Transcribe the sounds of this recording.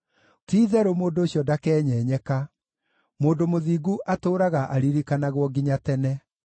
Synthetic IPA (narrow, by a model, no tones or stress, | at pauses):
tiːðɛɾomoːndoːɕjɔdakɛːɲɛːɲɛka | moːndomoðiːɡuʔatoːɾaɣaʔaɾiɾikanaɣwɔɡiɲatɛnɛ